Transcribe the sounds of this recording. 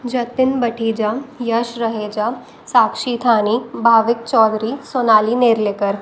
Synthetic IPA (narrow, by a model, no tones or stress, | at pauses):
d͡ʒɐt̪ɪnbɐʈʰiːd͡ʒajɐʃɾɐɦeːd͡ʒaː | saːkʃit̪ʰaːniːbʱaːʋɪk̚t͡ʃɔːd̪ɾisoːnaːlineːɾleːkəɾ